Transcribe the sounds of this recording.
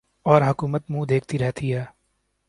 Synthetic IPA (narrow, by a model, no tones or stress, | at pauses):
ɔːɾɦʊkuːmət̪mũːd̪eːkʰt̪iɾɛɦt̪iɦɛː